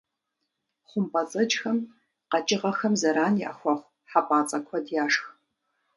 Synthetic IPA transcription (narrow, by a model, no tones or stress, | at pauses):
χʷʊmpʼɐt͡sʼɐd͡ʒʼxɐm | qɐt͡ʃʼɪʁɐxɐmzɐɾaːnja̰ːxʷɐχʷ | ħapʼaːt͡sʼɐkʷʰɔdjaːʂx